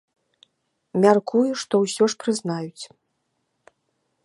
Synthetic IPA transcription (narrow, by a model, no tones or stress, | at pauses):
mʲarkujuʂt̪ɔwsʲɔʂpɾɨznajut͡sʲ